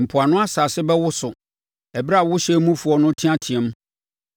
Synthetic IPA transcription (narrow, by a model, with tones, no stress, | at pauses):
m̩˨pʰʊ˨a˨nʊ̃˦a˦sa˨sɪ˦bɛ˦wʊ˦sʊ˨ | ɛ˨bɾa˦˨wʊ˦ɕɛ˦mũ˦fu˨ɔ˦nʊ̃˦tʰĩ˦ã˦tʰĩ˨ɛ̃˨˦m˦